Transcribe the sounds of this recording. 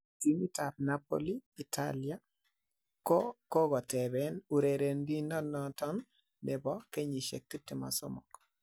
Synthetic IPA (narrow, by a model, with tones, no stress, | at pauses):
ti˨˦ni˦ta˨p̚napo̰li˦i˨tʰa̰lja˦ | kɔko˦ɡɔ˨tɛ˨bɛnu˨ɾe˨ɾe˨ndi˦nɔ˦nɔtɔ˦nː | ɛ˨bɔ˦ke˦ɲi˨ʃḛ˨k̚ti˦tːɪ˨ma̰˨sɔ̰˦mɔ̰˨k